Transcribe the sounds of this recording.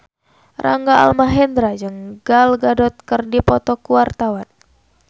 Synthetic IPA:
ra̰ŋɡaa̰lmaɦɛnd̪ɾad͡ʒɨŋɡalɡadɔt̪̚kɨrdipɔt̪ɔkuwart̪awan

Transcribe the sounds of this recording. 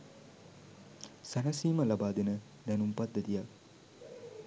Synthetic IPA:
sanasiːməlabaːd̪enə | d̪ɛnumpad̪ːəd̪ijak

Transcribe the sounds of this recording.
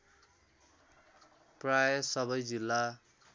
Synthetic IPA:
prajʌsʌβʌjd͡zilːa

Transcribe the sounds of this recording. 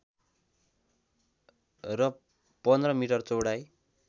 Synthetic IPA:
rʌ | pʌnd̪rʌmiʈʌrt͡sowɽaj

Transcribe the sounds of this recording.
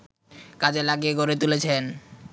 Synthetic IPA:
kad͡ʑelaɡieɡʱoɾet̪ulet͡ɕʰen

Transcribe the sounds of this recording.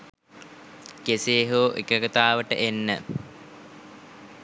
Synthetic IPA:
keseːɦoʔekəɡət̪aːʋəʈə̰ʔenːə

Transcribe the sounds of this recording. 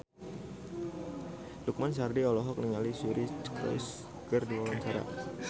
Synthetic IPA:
duk̚mans̬ardiɔlɔɦɔk̚niŋalisuɾit͡ʃkɾɔ̰js | kərdiwawaɲt͡ʃaɾa̰

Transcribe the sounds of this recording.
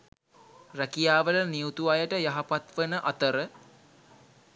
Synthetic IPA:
rækijaːʋələnijut̪uajəʈəjaɦapat̪ʋənəʔat̪əɾə

